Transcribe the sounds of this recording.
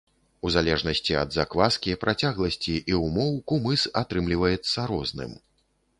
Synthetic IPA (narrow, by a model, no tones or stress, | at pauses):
uzalʲɛʐnɐsʲt͡sʲiɐ̰d̪zakvaskʲipɾʔat͡sʲaɣlˠɐsʲt͡sʲiʔiwmɔwkumɨsat̪ɾɨmlʲivɐjɛt̪sːɐɾɔznɨ̰m